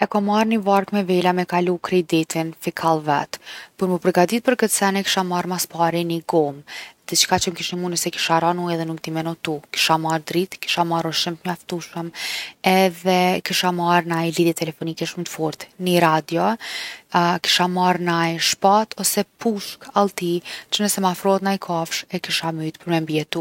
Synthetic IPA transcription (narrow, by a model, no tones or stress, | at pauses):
ɛkɔmaɾnivaɾkmɛvɛlamɛkalukɾid̪it̪ʰinfikʰalˠvɛ̰t̪puɾməpəɾɡad̪it̪̚pəɾkət̪sɛnɛki̥ʃamaɾmaspaɾiniɡɔmd̪̥itt͡ʃkat͡ʃəmkiʃnəmunəsɛki̥ʃaɾanuɛðɛnuk̚t̪imɛnut̪uki̥ʃamaɾd̪ɾit̪ki̥ʃamaɾuɾʃəmt̪ɲaft̪uʃəmɛðɛkiʃamaɾnajliðjɛt̪ɛlɛfɔnikɛʃmt̪fɔɾt̪niɾad̪jɔ | ki̥ʃamaɾnajʃpat̪ʰɔsɛpuʃkalˠt̪it͡ʃənəsɛmafɾɔt̪najkʰafʃɛkiʃamyjt̪pəɾmɛmbiɛt̪ːu